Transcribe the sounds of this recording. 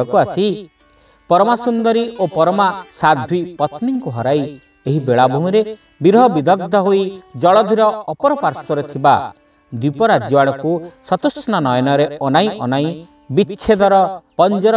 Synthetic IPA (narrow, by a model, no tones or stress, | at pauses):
ɔkuasi | pɔɾɔmasund̪ɔɾiʔopɔɾɔmasad̪ʱwipɔt̪niŋkuɦɔɾaj | eɦibeɭabʱuɦĩɾe | biɾɦɔbid̪ʱɔɡ̚d̪ʱɔɦoid͡ʒɔɭɔd̪ʱiɾɔːpɔɾɔpaɾst̪ɔɾet̪ʰiba | d̪ipɔɾad͡ʒjɔwaɽ̃ɔkusɔt̪usnɔnɔjɔnɔɾeɔnajʔɔnaj̃ | bit͡ʃʃʰed̪ɔɾɔpɔnd͡ʒɔɾ